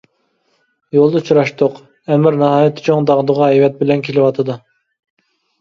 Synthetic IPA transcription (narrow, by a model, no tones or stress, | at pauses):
jolˠd̪ɑut͡ʃʰɾɑʃt̪ʊq | ɛmɪɾnɑɦɑːjɛt̪ʰːɪ̥t͡ʃʰoŋd̪ɑʁd̪əʁɑɛjvɛt̪̚bɪlɛnkʲʰelɪwɑt̪ʰɨd̪ɨ